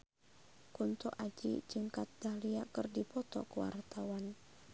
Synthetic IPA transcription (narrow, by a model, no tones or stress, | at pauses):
kunt̪uʔad͡ʒḭd͡ʒɨŋkat̪̚dahliakərdipɔt̪ɔ̰kuwa̰rt̪awan